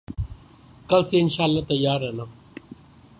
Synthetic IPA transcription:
kɐlseɪnʃaːlːaːt̪ɐjaːɾɛna

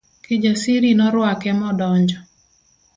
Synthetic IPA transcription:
kɪd͡ʒasiɾinɔɾwakɛmɔdɔɲd͡ʒɔ

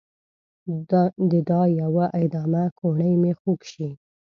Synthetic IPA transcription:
d̪əd̪ɑjawaʔɪd̪ɑmakʰoɳəjmexukʃi

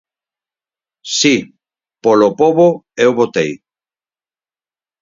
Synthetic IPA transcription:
si | polopoβoewβot̪ej

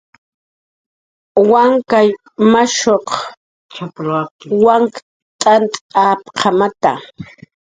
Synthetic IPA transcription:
waŋkaj | maʃoq | t͡ʃapɾakwaŋk | t̪ʼant̪ʼapqʰɑmat̪a̰

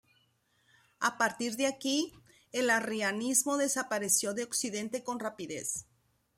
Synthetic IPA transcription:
apaɾt̪iɾðeaki | elarianizmo̞ðe̞sapaɾe̞sjo̞ðe̞oksiðe̞nt̪e̞ko̞nrapiðe̞̰s

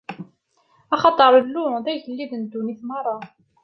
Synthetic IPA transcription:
ɑχɑt̪ˤəɾˤəlːuðæʝəlːiðənd̪ːuniθmɑrˤːɑ

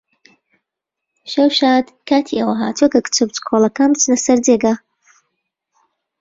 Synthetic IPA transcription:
ʃɐwʃaːd̪kʰaːt̪ʰiʔɐwɐɦaːt̪ʰuekɐkt͡ʃʰɐbt͡ʃkʰolˠɐkaːnbt͡snɐsɐɾdeɡa

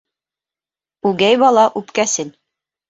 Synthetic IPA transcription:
ʉɡæjbɑlˠɑʔʉpkæsɘl

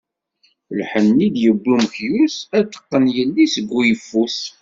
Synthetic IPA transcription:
əlħənːid̪jəbːumkjusæt̪ːə̥qːənjəlːisəɡːujəfːus

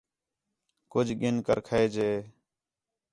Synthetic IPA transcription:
kʊd͡ʒʱɠɪnkə̰ɾkʰəeːd͡ʒeː

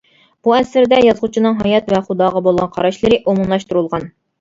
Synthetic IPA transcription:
b̥uɛsɪɾd̪ɛjɑzʁut͡ʃʰinɨŋɦɑjɑt̪vɛχud̪ɑːʁɑbolˠʁɑnqʰɑɾɑʃlˠɨɾɪʔomunlˠɑʃt̪uɾulˠʁɑn

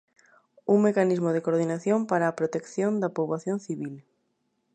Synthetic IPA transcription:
uŋmekanizmoð̞ekoɾð̞inaθjompaɾaːpɾot̪ekθjond̪apoβaθjõnθiβil

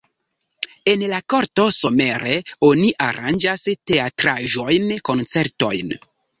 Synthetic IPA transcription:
e̞nlako̞ɾto̞so̞me̞ɾe̞o̞niʔaɾʔa̰nd͡ʒaste̞atɾaʒo̞jnko̞nt͡se̞ɾto̞̰jn

